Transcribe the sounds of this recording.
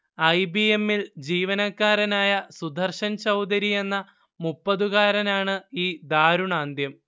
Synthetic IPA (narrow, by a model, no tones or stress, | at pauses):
ɐjbie̞mːild͡ʑiːʋɐnɐkːaːɾɐnaːjɐsud̪ʱɐrɕɐnt͡ɕɐwd̪ɐɾije̞nːɐ | mupːɐðuɣaːɾɐnaːɳɨiːd̪aːɾuɳaːnd̪jɐm